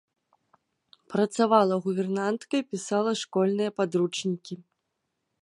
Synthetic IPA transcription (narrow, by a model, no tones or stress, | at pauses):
pɾɐt̪savalˠɐɣubʲɛrnant̪kɐipʲisalˠɐʂkɔlʲnɨjɐpad̪ɾut͡ʂnʲikʲi